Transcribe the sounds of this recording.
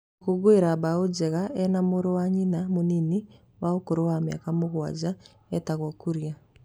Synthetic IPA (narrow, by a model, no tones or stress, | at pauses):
koɣweɾabaod͡ʑɛɣaʔɛnamoɾowaɲinamonini | waokoɾowamja̰kamoɣwa̰d͡ʑa | ɛtaɣwakuɾja